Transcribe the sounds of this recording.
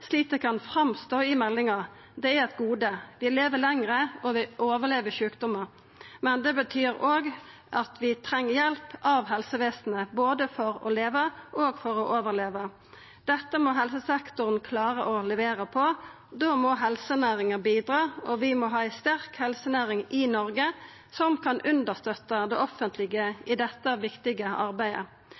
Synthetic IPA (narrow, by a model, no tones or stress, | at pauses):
sliːt̪əkʰɑnfɾɑmst̪oːɪmɛlːɪŋɑ | d̪ɛæɛt̪ɡuːd̪əʋɪleːʋəlɛŋʁəɔʋɪʔoːʋəleːʋəʃʉːkd̪ʊməɾ | mɛnd̪ɛbət̪ʰyːɾoːɡ | ʔɑt̪ʋɪt̪ʰɾɛŋːəjɛlpʔɑʋɦɛlsəʋeːsnəboːd̪əfɔɾɔ̰leːʋəʔoːɡfɔɾɔʔoːʋəʁleːʋə | d̪̥ɛt̪ːəmɔɦɛlsəsɛkt̪ʊʁənkʰlɑːʁəʔɔlɛʋeːʁəpʰɔ | d̪oːmɔɦɛlsənæːʁɪŋəbiːd̪ʁɑːɔʋɪmɔːɦɑːæɪst̪æʁkhɛlsənæːʁɪŋɪnɔʁɡə | sɔmkʰɑnʔʉnd̪əʁst̪œt̪ːəd̪ɛʔɔfːənt̪ʰlɪɡəɪd̪ɛt̪ːəʋɪkt̪ɪɡəʔɑʁbæɪə̰